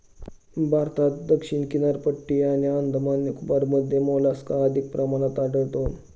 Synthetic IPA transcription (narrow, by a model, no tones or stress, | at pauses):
bʱaɾt̪at̪̚d̪əkʂiɳkinaɾpəʈːiaɽ̃iənd̪ʱəmanjəkubaɾməd̪ʱːjemolaskaəd̪ʱik̚pɾʔəmanat̪aɖəɭt̪on